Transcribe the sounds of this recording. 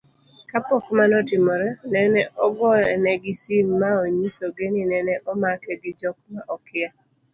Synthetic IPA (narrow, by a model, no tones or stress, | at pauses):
kapɔkmanɔtɪmɔɾɛnɛnɛʔɔɡɔɛnɛɡɪsimːaoɲisoɡeninɛnɛʔɔmakɛɡɪd͡ʒɔkmaʔɔkɪa